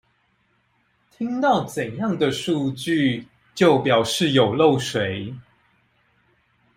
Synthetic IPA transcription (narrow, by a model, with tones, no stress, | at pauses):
t̪ʰi˦ŋt̪ɑ˥˩ʊt͡sə˨˩njɑ˥˨ŋd̪ə˨ʂu˥˧t͡ɕy˥˨ | t͡ɕjo˥˨˩ʊpjɑ˨˩ʊʂɻ̩˥˨jo˨˩ʊlo˥˩ʊʂwe˨˦ɪ